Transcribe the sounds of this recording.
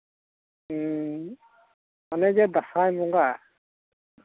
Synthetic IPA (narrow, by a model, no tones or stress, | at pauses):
ɔnɛzɛbasajmɔŋɡa